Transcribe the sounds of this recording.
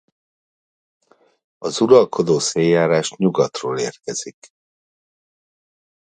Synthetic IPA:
ɒzuɾɒlkʰo̞d̪oːseːjaːɾaːʃɲuɡɒt̪roːleːrkɛz̥ik

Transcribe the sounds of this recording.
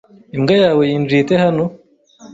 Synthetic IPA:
imɡajaːwe̞jinviːtehano

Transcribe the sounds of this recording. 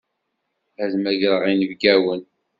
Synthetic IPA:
æzmæʝɾˤəʁinəvɡæwən

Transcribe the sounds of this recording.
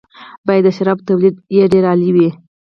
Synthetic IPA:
bɑjad̪ːəʃaɾɑbt̪awlid̪jeɖeɾɑliwi

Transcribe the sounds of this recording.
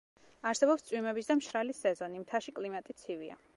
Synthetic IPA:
aɾsɛbɔpst̪sʼwimɛbisd̪amʃɾalisːɛzɔnimt̪ʰaʃikʼlimat̪ʼit̪sʰivia̰

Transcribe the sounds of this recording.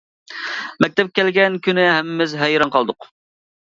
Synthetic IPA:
mɛk̚ʲt̪ɛp̚kʲɛlɡʲɛnkʲynɪɦɛmɪmɪzɦɛjɾɑnqʰɑlˠd̪ʊq

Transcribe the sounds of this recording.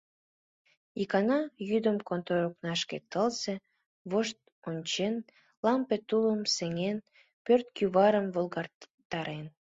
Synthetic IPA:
ikɑnɑjyd̪əmkont̪oɾoknɑʃkḛt̪əlse | βoʃt̪̚ | onʲt͡ɕen | lɑmpet̪uləmseŋen | pørt̪̚kjyβɑɾəmvolɣɑr | t̪ɑɾen

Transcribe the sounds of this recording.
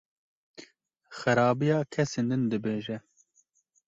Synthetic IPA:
xɨɾɑːbijɑːkʰɛseːnd̪ɨnd̪ɨbeːʒɛ

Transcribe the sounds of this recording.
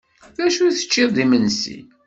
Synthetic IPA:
ðæʃuθə̥t͡ʃːɪððimənsḭ

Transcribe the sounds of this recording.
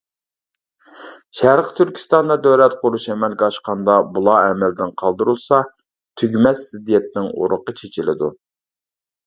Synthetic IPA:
ʃæɾqt̪ʰyɾkʲʰi̥st̪ɑnd̪ɑd̪øwlɛt̪qʊɾuʃɛmɛlɡʲɛɑʃqɑnd̪ɑbulˠɑɛmɛld̪ɪnqʰɑlˠd̪uɾulˠsɑ | t̪ʰyɡʲmɛsːɪd̪ijɛt̪nɪŋo̰ɾʊqət͡ʃʰet͡ʃʰɪlɪ̰d̪u

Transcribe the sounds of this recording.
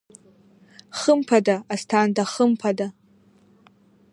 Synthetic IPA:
χəmpʰadaastʰandaχəmpʰada

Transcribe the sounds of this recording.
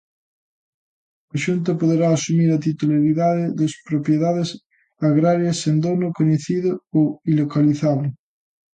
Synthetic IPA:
aʃunt̪̬ɐpoðeɾaːsumiɾat̪it̪ulaɾiðaðeðespɾopjeðaðes | aɣɾaɾjasend̪onokoɲeθiðooilokaliθaðo

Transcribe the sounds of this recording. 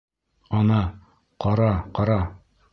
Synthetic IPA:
ɒnɑ | qɒɾɑqɒɾɑ

